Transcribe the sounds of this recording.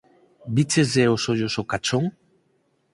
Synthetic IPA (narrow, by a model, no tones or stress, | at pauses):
bit͡sezeosoʎosokat͡ʃoŋ